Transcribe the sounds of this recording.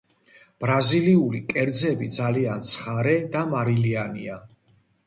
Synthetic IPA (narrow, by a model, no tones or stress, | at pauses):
b̥ɾaziliulikʼɛɾd̪zɛbid̪zaliant̪sʰχaɾɛd̪amaɾilianḭa